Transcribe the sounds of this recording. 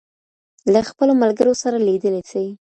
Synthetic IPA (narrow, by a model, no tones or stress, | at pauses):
laxpəlomalɡəɾosaɾalid̪əlet͡səwi